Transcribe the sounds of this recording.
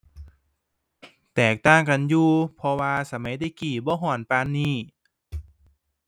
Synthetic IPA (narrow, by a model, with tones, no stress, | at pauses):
t̪ɛː˨˩k̚t̪aː˧˥˩ŋka˧˨njuː˧pʰɔ˧waː˧sa˧˦ma˨˦jt̪iː˧˩kiː˨˩bɔː˧˦ɦɔː˨˧˩npaː˧˨nːiː˧˩